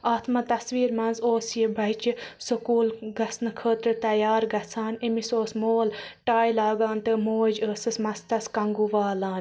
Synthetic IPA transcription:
aːt̪ʰmɐt̪ɐsʋiːɾmɐnzoːsjebʱɐit͡ʃisukuːlɡɐsnɨkʰəːt̪ɾɨt̪ɐjaːɾɡɐt͡sʰaːnemisoːsmoːlʈaːjlaːɡaːnt̪ɨmoːd͡ʒəːsɨsmɐst̪ɐskɐŋɡuʋaːlãː

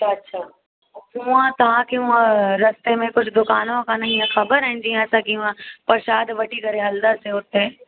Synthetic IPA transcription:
ɐtːʃʰaː | ɦũãt̪ɐʋ̤ãkeɦũãɾɐst̪emẽkʊd͡ʑʱd̪ʊkaːnõkʰãnɐɦĩːãxɐbəɾaɦɪ̃n̆d͡ʑiãɛːsãkiɦũãpɐɾʃaːd̪ʋɐʈʰikɐɾeɦɐld̪əseʊt̪eː

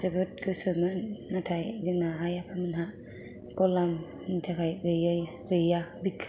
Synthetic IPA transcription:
sɯbɯt̚kɯsɯmɯnːatʰajzɯŋnaɦajapʰamɯnɦaʔ | kɔlam | nitʰakʰajɡɯjaj | ɡɯjabikʰː

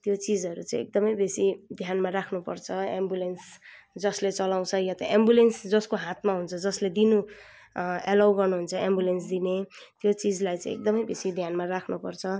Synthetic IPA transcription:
t̪jot͡sid͡zʌɾut͡saj̃ḛk̚d̪ʌmʌjbesid̪ʱjanmaɾakʰnupʌrt͡sʰʌembjulens | d͡zʌslet͡sʌlaw̃t͡sʰʌjat̪ʌʔembjulensd͡zʌskoɦãt̪̚maɦunt͡sʰʌd͡zʌsled̪inu | elawɡʌrnuɦunt͡sʰʌembjulensd̪inet̪jot͡sid͡zlajt͡sãĩek̚d̪ʌmʌjbesid̪ʱjanmarakʰnupʌrt͡sʰʌ

